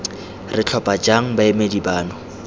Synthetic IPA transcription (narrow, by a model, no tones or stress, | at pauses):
rɪt͡ɬʰɔpʼad͡ʒaŋ̩baemedibaːnɔ